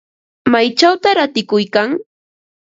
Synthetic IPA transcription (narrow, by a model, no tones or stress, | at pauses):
majt͡ʃawt̪aɾat̪ɪkʊjkaŋ